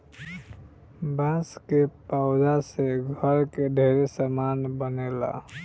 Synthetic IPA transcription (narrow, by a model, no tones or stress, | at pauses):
bãskepaʊd͡ʒaseɡʱəɾkeɖʱeɾesamanbənela̰